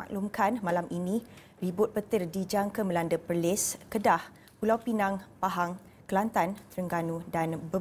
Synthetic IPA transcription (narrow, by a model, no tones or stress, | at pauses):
a̰ʔlumkanmalamʔinĩ | ribʊt̪̚pət̪ɪrdid͡ʒaŋkəməlandəpəlɪskədah | pulawpinaŋpaɦaŋ | kəlant̪ant̪əɾəŋɡanudanbə